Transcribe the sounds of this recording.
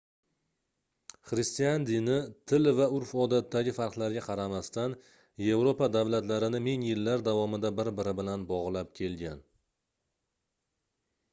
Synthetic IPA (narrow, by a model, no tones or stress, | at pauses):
χɾɪst̪ijand̪inɪt̪ʰɪlvaʊɾfɒd̪at̪ːaɡʲɪfaɾqlˠaɾɡʲaqʰɑɾamast̪an | je̞vɾopad̪avlat̪laɾɪnɪmeŋjɪlːaɾd̪avɒmɪd̪abɪɾbɪɾɪbɪlanbɒʁlˠap̚kʲʰe̞lɡʲan